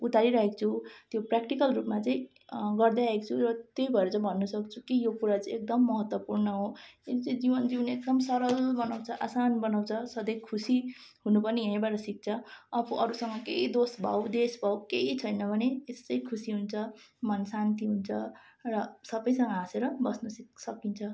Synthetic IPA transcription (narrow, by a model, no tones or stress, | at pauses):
ut̪aɾiɾʌɦekt͡sʰut̪joprak̚ʈikʌlrupmat͡sãĩ | ɡʌrd̪aaɦekt͡sʰuɾʌt̪jojbʱʌeɾʌt͡sãbʱʌnːusʌkt͡sʰukijopuɾat͡sʌĩek̚d̪ʌmːʌɦʌt̪wʌpurnʌɦoet͡sãĩd͡zibʌnd͡zibʌnek̚d̪ʌmsʌɾʌlbʌnawt͡sʰʌʔasanbʌnawt͡sʰʌsʌd̪ʌjkʰusi | ɦunupʌrniɦeɦĩbaʈʌsik̚t͡sʰʌʌpʰuʔʌɾusʌŋʌkeid̪osbʱa̰wd̪esbʱawkeit͡sʰʌjnʌbʱʌneest͡sʌĩkʰusiɦunt͡sʰʌmʌnsant̪iɦunt͡sʰʌrʌsʌbʌjsʌŋɡʌɦaseɾʌbʌsnʌssʌkint͡sʰʌ